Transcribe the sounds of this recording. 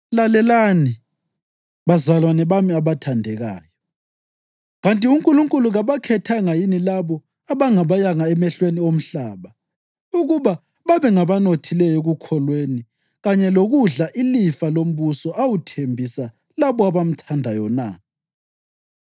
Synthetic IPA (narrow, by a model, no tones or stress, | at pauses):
lalɛlani | βazalwanɛβamiaβatʰandʱɛɣa̰ːjɔ | ɣantʼiuŋkʼuluŋkʼuluɣaβakʰɛtʰaŋajinilaβɔ | aβaŋaβajaŋaɛmɛɬweniom̩ɬaːβa | uɣuβa | βaβɛŋaβanotʰilɛjɔɣukʰɔlweni | ɣaɲɛloɣuɮaʔilifalom̩βusɔʔawutʰembʱisa | laβɔaβam̩tʰandʱajɔna̰